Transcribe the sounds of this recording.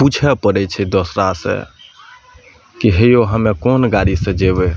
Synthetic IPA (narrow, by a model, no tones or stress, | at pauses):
put͡ʃʰɛpəɾɛt͡ʃʰɛd̪osɾasḛ̃ | kiɦejoɦəmekonɡaɽisə̃d͡ʒeβɛ